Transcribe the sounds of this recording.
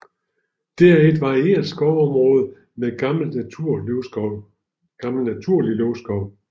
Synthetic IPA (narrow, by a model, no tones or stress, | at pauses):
d̥eɐæɐe̝d̥ʋɑ̈ie̝̰ːɐ̥sɡ̥ɒʊɒ̽mʁɔ̽ːð̞̩ˠ | me̥l | ɡ̥ɑ̈ml̩næt͡sʰuɐ̰liløʊsɡ̥ɒ̽ʊ̰